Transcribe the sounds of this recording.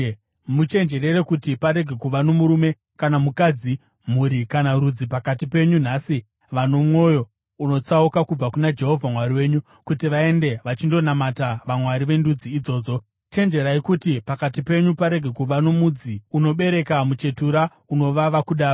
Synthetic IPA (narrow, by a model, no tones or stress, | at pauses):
mut͡ʃe̞nd͡ʒe̞ɾe̞ɾe̞kutipaɾe̞ɡʱe̞kuʋano̞muɾume̞ | kanamukad͡zi | m̤uɾikanaɾud͡zipakatipe̞ɲun̤asi | ʋano̞mwo̞jo̞ | uno̞t͡saukakub͡vakunad͡ʒe̞ɦo̞vʱamwaɾiwe̞ːɲu | kutiʋae̞nde̞ʋat͡ʃindo̞namataʋamwaɾiʋe̞ndud͡ziːd͡zo̞ːd͡zo̞ | t͡ʃe̞nd͡ʒe̞ɾaikutipakatipe̞ɲupaɾe̞ɡʱe̞kuʋano̞mud͡ziuno̞ɓe̞ɾe̞kamut͡ʃe̞tuɾa | uno̞ʋaʋakuɗaːro